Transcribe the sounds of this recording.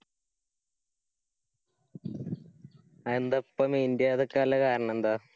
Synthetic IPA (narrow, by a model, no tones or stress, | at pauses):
end̪opːɐmind̪jɐːðekːɐlːekaːɾɐɳɐ̃end̪a